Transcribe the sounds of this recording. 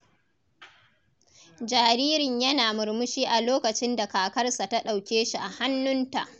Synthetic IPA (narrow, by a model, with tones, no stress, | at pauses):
d͡ʒaː˨ɾiː˦ɾɪ˨ɲjɐ˦naː˨mʊ˨ɾmʊ˦ʃiː˦ʔa˨loː˦kɐ˨t͡ʃɪ˦nda˨kaː˨kɐ˦rsa˨ta˦ɗa˨wkʲeː˦ʃi˨ʔa˨ha˦nːʊ˦nta̰˨ʔ